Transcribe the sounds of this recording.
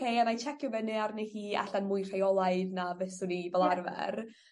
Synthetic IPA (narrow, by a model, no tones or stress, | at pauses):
kejamajt͡ʃʰɛkʰjʊbɛnɨarnehiːa̰ɬanmʊjr̥ajɔlˠaɨdnavɛsʊnivɛlˠarvɛ̰r